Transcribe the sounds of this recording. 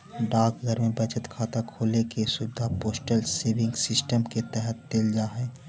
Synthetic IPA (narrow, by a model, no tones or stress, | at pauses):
ɖaːkɡʱəɾmẽbət͡ʃət̪kʰaːt̪akʰoːlekesʊbɪd̪ʱapoːsʈəlseːʋɪ̃ŋɡsɪsʈəmket̪ɛɦɛt̪̚ːeld͡ʒaːɦɛː